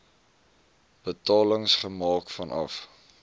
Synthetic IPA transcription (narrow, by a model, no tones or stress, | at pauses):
b̥ətɑːləŋsχəmɑːkfɐnɐ̰f